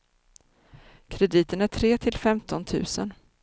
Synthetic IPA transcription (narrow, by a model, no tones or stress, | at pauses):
kʰɾɛd̪iːt̪ənæʈʰɾeːt̪ʰɪlfɛmt̪ʰɔnt̪ʰʉ̟̰ːsə̰n